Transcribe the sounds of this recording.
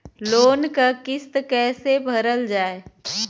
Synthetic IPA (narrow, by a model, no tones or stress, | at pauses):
loːnkakɪst̪kɛːsebʱəɾəld͡ʒaːe